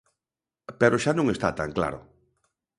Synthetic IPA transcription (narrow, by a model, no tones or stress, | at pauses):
peɾoʃanũŋest̪at̪a̰ŋkla̰ɾo̰